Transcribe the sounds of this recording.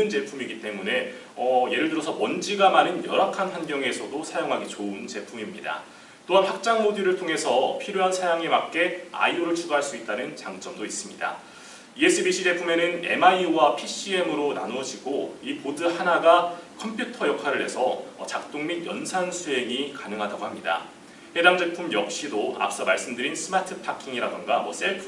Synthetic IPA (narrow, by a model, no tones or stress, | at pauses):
ɯnt͡ɕe̞pʰumiɡit͈e̞mune̞ | ʌje̞ɾɯɭdɯɾʌsʰʌmwʌnd͡ʑiɡamanɯnjʌɾakʰanɸwanɡjʌŋe̞sʰʌdosʰajoŋɦaɡit͡ɕoɯnt͡ɕe̞pʰumimɲida̰ | t͈oɦanɸak̚t͡ɕ͈aŋmodiɾɯɭtʰoŋɦe̞sʰʌpʰiɾjoɦansʰajaŋemak̚k͈e̞a̰ioɾɯɭt͡ɕʰuɡaɦaɭs͈uit̚t͈anɯnt͡ɕaŋt͡ɕ͈ʌmdois͈ɯmɲida̰ | ie̞s͈ɯbiɕʰid͡ʑe̞pʰume̞nɯne̞̰maiwapʰiɕ͈ie̞mɯɾona̰nwʌd͡ʑiɡoipodɯhanaɡakʰʌmpʰjutʰʌjʌkʰaɾɯɭhe̞̰sʰʌʌ̰t͡ɕak̚t͈oŋmidjʌnsʰansʰuɦe̞ŋikanɯŋɦadaɡohamɲida̰ | he̞daŋd͡ʑe̞pʰumjʌk̚ɕ͈idoa̰p̚s͈ʌmaɭs͈ɯmdɯɾinsʰɯmatʰɯpʰakʰiŋiɾadɯnɡamwʌ̰s͈eɭpʰ